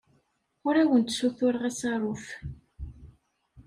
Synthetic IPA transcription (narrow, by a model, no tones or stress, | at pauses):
ʊɾæwənt̪suθʊɾʁæsɑɾˤʊf